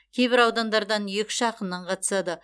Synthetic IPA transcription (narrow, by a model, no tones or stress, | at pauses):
kʲʰe̞jbɪɾɑwd̪ɑnd̪ɑɾd̪ɑnjekʲʃɑqənːɑɴqʰɑt̪ə̥sɑd̪ə